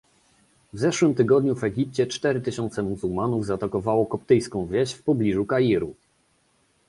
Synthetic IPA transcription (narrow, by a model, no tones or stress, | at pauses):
vzɛʂwɘmt̪ɘɡɔd̪ɲuvɛɡʲip̚t͡ɕɛt͡ʂt̪ɛɾɘt̪ɘɕɔnt̪sɛmuzuwmanuvzat̪akɔvawɔkɔp̚t̪ɘjskɔ̃w̃vʲjɛɕfpɔblʲiʐukajiɾu